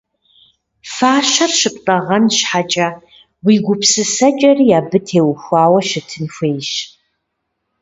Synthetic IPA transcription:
faːʃɐrʃɨpʼtʼɐʁɐnʃħat͡ʃʼɐ | wiːɡʷʊpsɨsɐt͡ʃʼɐrijaːbɨtʰeːwxʷaːwɐʃɪtʰɨnxʷeːjʃ

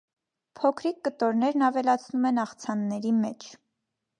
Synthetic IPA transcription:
pʰɔkʰɾikːət̪ɔɾnɛɾnɑvɛlɑt͡sʰnumɛnɑχt͡sʰɑnːɛɾimɛt͡ʃʰ

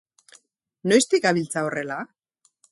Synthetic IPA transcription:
no̞jst̪ikaβilt͡saore̞la

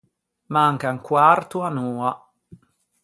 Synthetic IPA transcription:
maŋkaŋkwart̪uanuːa

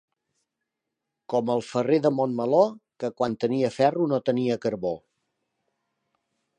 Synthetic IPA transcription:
kɔməlˠfəreðəmonməlokəkwant̪əniəfɛrunot̪əniəkəɾβo

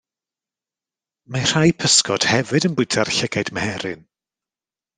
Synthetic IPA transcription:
mar̥ajpʰəskɔd̥hɛvɨdənbʊjtʰarɬɪɡadməhɛɾɪn

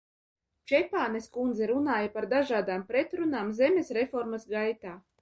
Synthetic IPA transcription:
t͡ʃɛpaːneskund̪zɛɾunaːjapaɾd̪aʒaːd̪aːmpɾet̪ɾunaːmzɛmʲesɾefɔɾmasɡajt̪aː

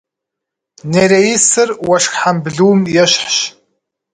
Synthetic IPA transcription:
neɾejisɨrwɐʂxħambɮuːmjɛɕħɕ

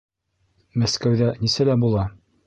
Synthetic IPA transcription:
mæskæwðænisælæbulˠɑ

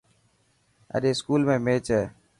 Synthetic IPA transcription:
ə̰ɗeːskuːlmẽːmeːt͡ʃɛː

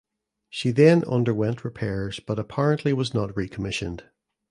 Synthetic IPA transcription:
ʃiðə̃nʌ̰̃ndə˞wɛ̃nʔɹɪpʰɛɹz̥b̥ʌɾəpʰaɹə̃nʔlˠiwɔznəʔɹikʰəmɪʃə̰̃nd̥

